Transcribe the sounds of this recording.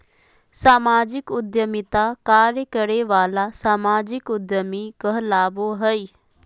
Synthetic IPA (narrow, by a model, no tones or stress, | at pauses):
saːmaːd͡ʒɪkʊd̪jəmɪt̪akaːɾjəkəɾeʋaːlasaːmaːd͡ʒɪkʊd̪jəmikəɦlaːboɦəi